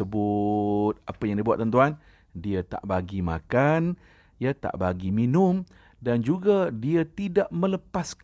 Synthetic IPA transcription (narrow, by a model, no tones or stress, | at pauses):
əbʊt̪̚apajaŋdiəbua̰t̪ːənt̪uan | diat̪a̰ʔbaɡima̰kan | jat̪a̰ʔbaɡiminʊm | dand͡ʒuɡadiat̪idaʔmə̃ləpas